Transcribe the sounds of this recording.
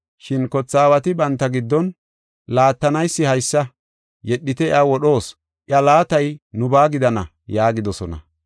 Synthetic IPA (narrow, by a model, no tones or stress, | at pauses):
ʃɪnkɔt͡sːaːwɐt̪ɪbɐnt̪ːɐɡɪd̪ːɔn | laːt̪ːɐnɐjsːɪhɐjsːɐ | jɛɗːɪt̪ɛɪ̰awɔɗo̞ːs | ʔɪɐlaːt̪ɐjnʊbaːɡɪd̪ɐnɐ̰ | jaːɡɪd̪ɔsɔnɐ̰